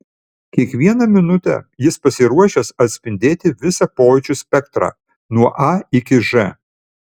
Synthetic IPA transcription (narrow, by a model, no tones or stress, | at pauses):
kʲiɛkʋʲiɛnɐmʲɪnʊt̪ʲɛ̰jɪspɐsʲɪɾuɔʃʲɛsɐt̪ʲsʲpʲɪnʲd̪ʲeːt̪ʲɪʋʲɪsɑpoːt͡ʃʲusʲpʲɛkt̪ɾɑ̰ː | nuɔʔɐɪkʲɪʒɛ